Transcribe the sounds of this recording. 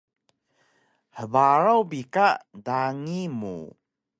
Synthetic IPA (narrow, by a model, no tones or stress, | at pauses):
həvaɾawbikadaŋimṵ